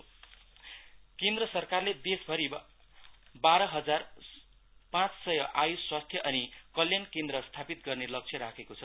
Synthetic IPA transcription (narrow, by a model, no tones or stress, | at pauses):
kend̪rʌsʌrkarled̪esbʱʌɾi | baɾʌɦʌd͡zar | pãt͡ssʌjʌʔajusswast̪ʰjʌʔʌnikʌljankend̪ɾʌst̪ʰapit̪̚ɡʌrnelʌk̚t͡sʰjʌɾakʰekot͡sʰʌ